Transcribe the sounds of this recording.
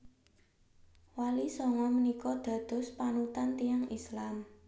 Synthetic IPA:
walisɔŋɔmənikɔd̪̥ä̤d̪̥ɔ̤spanut̪ant̪ijaŋislam

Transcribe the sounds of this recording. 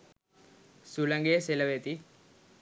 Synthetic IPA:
sulɐŋɡeseləʋet̪i

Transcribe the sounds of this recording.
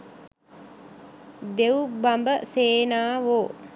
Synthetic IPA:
d̪eubambəseːnaːʋoː

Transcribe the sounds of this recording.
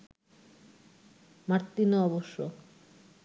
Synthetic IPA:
maɾt̪ːinoɔβoʃːo

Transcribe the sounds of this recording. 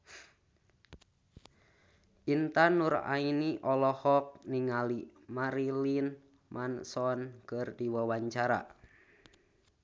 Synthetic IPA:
ʔint̪anura̰iniʔɔlɔhɔk̚niŋalimaɾilin | mʔansɔnkərdiwawaɲt͡ʃaɾa̰

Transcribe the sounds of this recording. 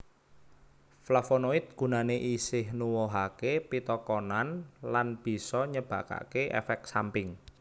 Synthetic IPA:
flafonoɪt̪̚ɡ̥ṳnaneʔisɪhnuwɔɦakepit̪ɔkɔnanlanb̥i̤sɔɲəb̥ä̤ka̰keʔḛfɛk̪̚sampɪŋ

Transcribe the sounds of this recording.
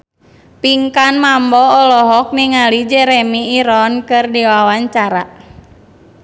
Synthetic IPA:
piŋkanmambɔːlɔɦɔk̚niŋalid͡ʒɛɾɛmiːɾɔnkɨrdiwawaɲt͡ʃaɾa

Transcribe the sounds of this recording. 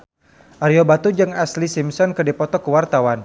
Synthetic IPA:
ʔaɾiobat̪ud͡ʒɨŋaslisimsɔnkədipɔt̪ɔkəwart̪awan

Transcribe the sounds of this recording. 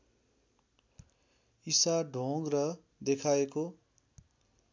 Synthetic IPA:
isaɖʱoŋɡrʌ | d̪ekʰaeko

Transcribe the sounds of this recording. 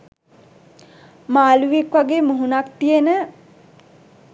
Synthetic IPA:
maːluʋekʋaɡeːmuɦunak̚t̪ijenə

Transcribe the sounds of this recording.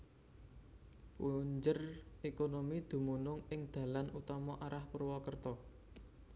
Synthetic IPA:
puɲd͡ʒərekonomid̪̥ṳmunʊŋɪŋd̪̥ä̤lanut̪ɔmɔʔaɾahpərwɔkərt̪ɔ

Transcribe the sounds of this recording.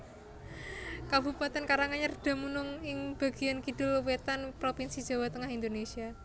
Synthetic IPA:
kabupat̪ɛnkaɾaŋaɲard̥a̤munʊŋɪŋb̥a̤ɡ̥i̤jankidʊlwet̪anpɾopinsi̥d͡ʒ̥a̤wat̪əŋaɦind̪onesia

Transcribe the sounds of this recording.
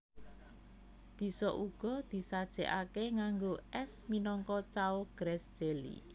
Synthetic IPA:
b̥i̤sɔʔuɡ̥ɔ̤d̪̥i̤sad̥ʒ̥ɛ̤ʔakeŋaŋɡoʔɛsminɔŋkɔt͡ʃaoɡ̥ɾɛsd͡ʒelḭ

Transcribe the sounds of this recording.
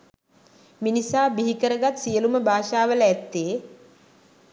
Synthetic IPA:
minisaːbiɦikəɾəɡat̪sijəluməbʱaːʃaːʋələæt̪ːeː

